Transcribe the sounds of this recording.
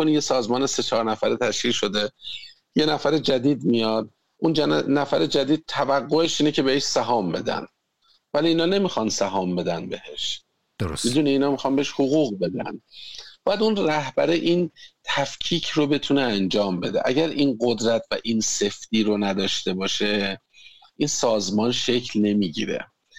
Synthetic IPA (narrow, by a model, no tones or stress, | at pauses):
onije̞sɒːzmɒːnese̞t͡ʃʰɒːɾnæfæɾet̪ʰæʃciːlʃo̞d̪e̞ | je̞næfæɾed͡ʒæd̪iːd̪̚mijɒd̪̚ | ʔund͡ʒnæfæɾed͡ʒæd̪iːd̪̥̚t̪ʰævæɡːoe̞ʃiːne̞cʰe̞be̞heʃsæɦɒːmbe̞d̪æ̰n | væliːnɒːne̞mixɒnsæɦɒːmbe̞d̪ænbe̞he̞ʃ | d̥̪oɾosmid̪uːneiːnɒːmixɒnbeeʃhoɣuːɣbe̞d̪æ̰nb̥ɒːjæd̪unræhbæɾeʔint̪ʰæfcʰiːcʰro̞be̞t̪ʰuneænd͡ʒɒːmbe̞d̪eʔæɟæɾʔinɢo̞d̪ɾæt̪ʰvæʔinse̞fd̪̥iːɾonæd̪ɒːʃt̪e̞bɒːʃe̞ | ʔinsɒːzmɒːnʃe̞cʰlne̞miːɟḭɾe̞̰